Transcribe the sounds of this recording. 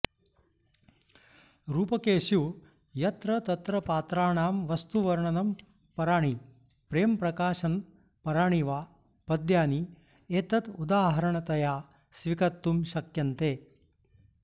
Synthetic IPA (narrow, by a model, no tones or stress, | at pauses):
ɾuːpɐkeːʃu | jɐt̪ɾɐt̪ɐt̪ɾɐpaːt̪ɾaːɳaːmʋɐst̪uʋɐɾɳɐnɐm | pɐɾaːɳi | pɾeːmpɾɐkaːʃɐn | pɐɾaːɳiʋaː | pɐd̪jaːni | eːt̪ɐt̪ud̪aːɦɐɾɐɳɐt̪ɐjaː | sʋikɐt̪ːumʃɐkjɐnt̪eː